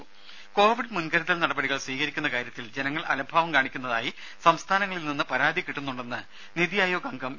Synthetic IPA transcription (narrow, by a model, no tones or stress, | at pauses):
ko̞ːʋiɖɨmunɡɐɾɐðɐlnɐɽɐbɐɽiɣɐɭsʋiːkɐɾikʲːunːɐkaːɾjɐt̪ːild͡ʑe̞nɐŋːɐɭɐ̰lɐbʱaːʋɐmkaːɳikʲːunːɐðaːji | sɐmst̪ʰaːnɐŋːɐɭilninːɨpɐɾaːd̪ʱikːiʈːunːuɳɖe̞nːɨ | niðijɐjoːɡɐŋɡɐm